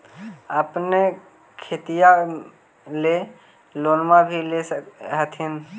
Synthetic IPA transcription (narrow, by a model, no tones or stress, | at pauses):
əpne | kʰet̪ija | le | loːnmãbʱileɦət̪ʰɪn